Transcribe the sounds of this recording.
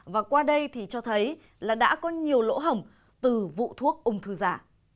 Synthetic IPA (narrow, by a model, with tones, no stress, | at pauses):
vaː˨˩kwaː˧ɗə˧jt̪ʰi˨˩t͡ɕɔ˧t̪ʰə˨˦j | laː˨˩ɗa̰ː˧˥kɔ˨˦ɲi˨˩əwlo̰˧˥ɦə˨˩m | t̪ɨ˨˩vṵ˧˨t̪ʰu˦˥ək̚ʔʊ˨˧˩ŋ͡mt̪ʰɨ˧˩zaː˧˩